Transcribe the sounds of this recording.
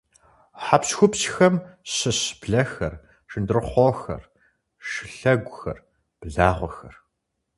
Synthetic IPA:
ħapsxʷʊpɕxɐmɕɨɕb̥ɮɐxɐr | ʂɨndɨrɨχʷɔxɐ̰r | ʂɨɬɐɡʷʊxɐ̰r | b̥ɮaːʁʷɔxɐr

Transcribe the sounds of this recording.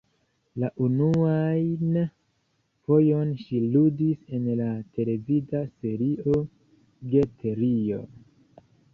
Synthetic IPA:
laʔunuajn | fo̞jo̞nʃiludise̞nlatʰe̞le̞vidase̞ɾiʔo̞ | ɡe̞tʰeɾio̞̰

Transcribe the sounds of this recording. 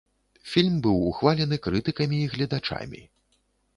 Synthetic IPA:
fʲilʲmbɨwuxvalʲɛnɨkɾɨt̪ɨkɐmʲiːɣlʲɐd̪at͡ʂa̰mʲḭ

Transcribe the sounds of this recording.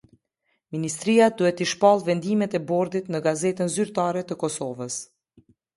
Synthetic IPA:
minist̪ɾiad̪uɛt̪iʃpalˠvɛnd̪imɛt̪ɛbɔɾd̪it̪nəɡazɛt̪ənzyɾt̪aɾɛt̪əkɔsɔvəs

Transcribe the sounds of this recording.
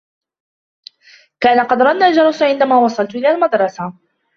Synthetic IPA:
kaːnaqɑd̪ɾˤɑnːaːld͡ʒɑɾˤɑsʕɪnd̪amaːwɑsˤɑlt̪ʔɪlaːlmad̪ɾˤɑsa

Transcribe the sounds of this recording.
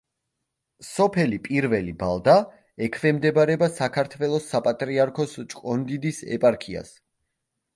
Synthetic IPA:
sɔpʰɛlipʼiɾvɛlibalˠd̪a | ɛkʰvɛmd̪ɛbaɾɛbasakʰaɾt̪ʰvɛlˠɔsːapʼat̪ʼɾiaɾkʰɔst͡ʃʼkʼɔnd̪id̪isɛ̰pʼaɾkʰia̰s

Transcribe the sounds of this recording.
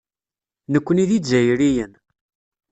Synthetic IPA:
nəkʷːəniðizæjɾijən

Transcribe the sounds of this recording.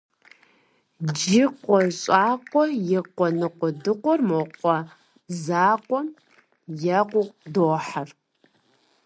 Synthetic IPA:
d͡ʒɪqʷʼɔɕʼaːqʷʼɔjɛqʷɔnɨqʷɔdɨqʷɔrmoqʷʼɔ | zaːqʷʼɔm | jɐqʷʊqdoːħar

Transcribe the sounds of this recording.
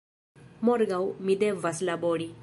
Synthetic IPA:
mɔɾɡawmid̪evɐslabɔɽi

